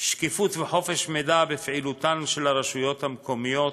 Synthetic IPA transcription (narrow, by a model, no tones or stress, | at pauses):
ʃkifut̪veħo̞feʃmed̪abefʕilut̪anʃelaɾeʃujo̞t̪hamko̞mijo̞t̪